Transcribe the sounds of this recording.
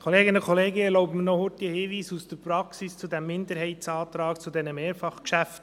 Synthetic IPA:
kʰɔleːɡɪnəkʰɔleːɡəɛɾlɔʊpmənɔhʊtihɪːʋiːsusd̥əɾpɾɑksist͡sudæmːɪndəɾɦɛɪtsɑːt̪ɾɑːkt͡sudɛnəmeːɾfɑχkʃæft

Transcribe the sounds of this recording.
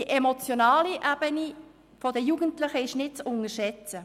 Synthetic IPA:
iʔɛmot͡sjonaːliʔæb̥əni | fɔdəjuɡ̥əntlɪχəɪʃnɪt̚t͡sʊnəʃɛt͡sə

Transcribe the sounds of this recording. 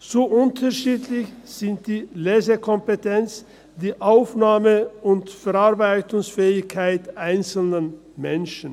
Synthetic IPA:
z̥oːʔʊntʰɐʃiːtʰlɪçz̥ɪnt̚d̥iːleːzəkʰɔmpetʰɛnt͡s | d̥iːʔaʊfnaːməʊntfɛɐaɐbaɪtʊŋsfɛːɪçkʰaɪtʔaɪnt͡sl̩nən | mɛnʃn̩

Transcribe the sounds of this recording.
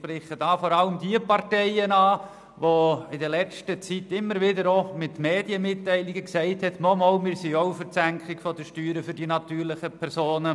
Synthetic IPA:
pɾɪχəd̥ɑːfɔɾɑləmdiəpɑɾtɛɪənɑː | ʋoɪdəlɛt͡ʃtət͡sitɪmːəɾʋɪdəɾomɪtmeːdjəmɪtːɛɪlɪɡəksɛɪthɛtnɔmoːlmɪːɾsioʊfəɾt͡sæŋkχɪkfɔd̥əʃtyːɾəfʏɾdinɑtyːɾlɪχəpʰɛɾsoːnə

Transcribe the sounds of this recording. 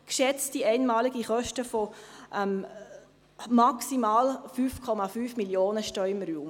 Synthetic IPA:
kʃɛt͡stiɛɪnmɑːliɡiχœʃtəfoʔɛm | maksimaːlfyːfkʰɔmafyːfmiljoːnəʃtœʏmɾuːm

